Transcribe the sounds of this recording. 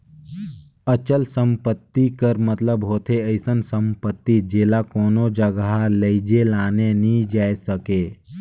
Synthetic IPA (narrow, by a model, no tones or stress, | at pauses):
ət͡ʃəlsə̃mpət̪ːikəɾmət̪ləbɦoːt̪ʰeəɪsənsə̃mpət̪ːid͡ʒeːlakoːnod͡ʒəɡɦaləid͡ʒelaːnenĩd͡ʒaːesəkeː